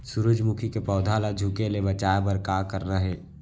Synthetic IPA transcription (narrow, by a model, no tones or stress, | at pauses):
sʊɾʊd͡ʒmʊkʰikepɔːd̪ʱaːlad͡ʒʱukelebət͡ʃaːbəɾkaːkəɾnaɦɛː